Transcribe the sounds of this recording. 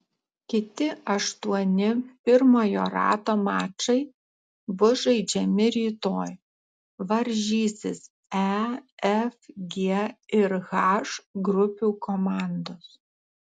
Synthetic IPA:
kʲɪt̪ʲɪɐʃt̪uɔnʲɪpʲɪɾmoːjoːɾɑ̰ːt̪omɑːt͡ʃɐɪ | ʋʊʒɐɪd͡ʒʲɛmʲɪɾʲiːt̪oːj | ʋɐɾʲʒʲiːsʲɪs | ɛɛfɡʲeɪɾɣɑʃɡɾʊpʲuːkomɑˑnd̪oːs

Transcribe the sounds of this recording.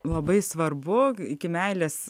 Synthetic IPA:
lˠɐbɐɪsʋɐrbʊɪkʲɪmʲæɪlʲeːs

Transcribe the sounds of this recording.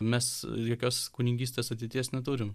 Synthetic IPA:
mʲɛsjoːkʲoːskuːnʲɪŋʲɡʲiːsʲt̪ʲeːsɐt̪ʲɛɪt̪ʲiɛsnʲɛt̪uːɾʲɪm

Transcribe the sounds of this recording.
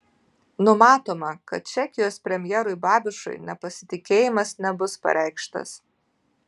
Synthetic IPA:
nʊmɑːt̪oːmɐkɐt̪̚t͡ʃʲɛkʲɪjoːspʲɾʲɛmʲjɛːɾʊɪbɑːbʲɪʃʊ̰ɪnʲɛpɐsʲɪt̪ʲɪkʲeːjɪmɐsnʲɛbʊspɐ̰ɾʲʔɛˑɪkʃt̪ɐ̰s

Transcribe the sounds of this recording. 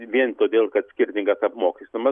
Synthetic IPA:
ʋʲiɛnt̪oːd̪ʲeːlˠkɐt̪sʲkʲɪɾʲt̪ʲɪŋɡɐsɐpmoːkʲisʲt̪ʊmɐ

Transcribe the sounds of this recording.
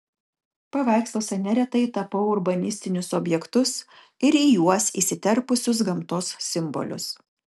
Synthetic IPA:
pɐʋɑˑɪkslˠoːsʲɛnʲɛɾʲɛt̪ɐɪt̪ɐpɐʊʊɾbɐnʲɪsʲt̪ʲɪnʲʊsɔbʲjɛkt̪ʊs | ɪɾijuɔsḭːsʲɪt̪ʲɛɾpʊsʲʊs̬ɡɐmt̪oːsːʲɪmbɔ̰lʲʊ̰s

